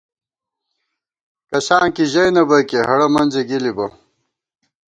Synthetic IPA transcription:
kɐsaːnkiʑɐjnɐbɐkeɦɐɽɐmɐnzeɡilibɐ

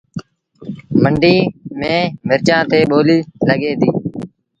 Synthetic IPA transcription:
məɳɖiːmẽːmɪɾt͡ʃãːt̪eːɓoːliːləɠeːd̪iː

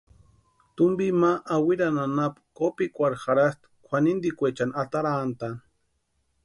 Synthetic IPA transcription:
t̪umbimaʔawiɾananapkopikʷaɾxaɾast̪ | kʷʰanind̪ikʷet͡ʃanat̪aɾant̪an

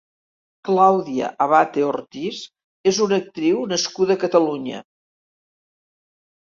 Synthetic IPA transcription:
klawðiə̰ʔəβat̪eort̪is | ezunək̚t̪ɾiwnəskuðəkət̪əluɲə̰

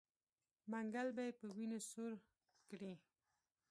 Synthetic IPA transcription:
maŋɡalbajpəwinosoɾ | kɽi

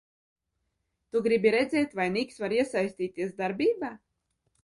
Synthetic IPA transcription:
t̪uɡɾibiɾɛd̪zʲɛːt̪ʲvajnʲiksvaɾiɛsajsʲt̪ʲiːt̪iɛsd̪aɾbʲiːbaː

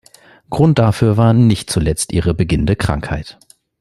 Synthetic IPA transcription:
ɡ̥ʁʊnt̚d̥afyːɐvaːɐnɪçtt͡sulɛt͡stʔiːʁəbəɡɪnəndəkʁ̥a̰ŋkha̰ɪt

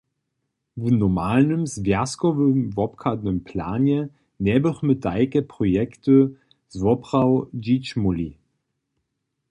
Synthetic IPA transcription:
vənɔmaːlnəmzvɛɐskɔvəmvɔpkʰadnəmpʰla̰ːnjɛ | nɛːbəχmət̚daɪkəpʁ̥ojɛktə | zvɔpʁ̥aʊd͡ʒit͡ʃmuli

